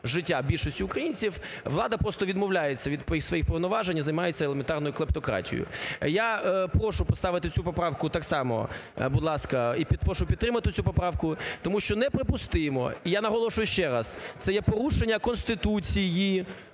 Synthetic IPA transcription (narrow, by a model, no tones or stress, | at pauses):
ʒɪtʲːabʲilʲʃɔsʲtʲʊːkɾɐjinʲt͡sʲiw | ʋlˠɑd̪ɐpɾɔst̪ɔʋʲid̪mɔwlʲajet͡sʲːɐʋʲid̪pisʋɔjixpɔʋnɔʋɑʒenʲizɐjmɑjet͡sʲːɐelˠement̪ɑrnɔjʊklˠɐp̚t̪ɔkɾɑ̰tʲḭjʊ̰japɾɔʃʊpɔst̪ɑʋɪt̪ɪt͡sʲupɔpɾɑwkʊt̪ɑksɑmɔ̰bʊd̪lˠɑskɐipʲid̪pɾɔʃʊpʲid̪t̪ːɾɪmɐt̪ɪt͡sʲupɔpɾɑwkʊt̪ɔmuʃt͡ʃɔnɛpɾɪpʊst̪ɪmɔ̰ijanɐɦɔlˠɔʃʊjʊʃt͡ʃɛɾɐst̪sɛjɛpɔɾuʃenʲːɐkɔnst̪ɪt̪ut͡sʲiji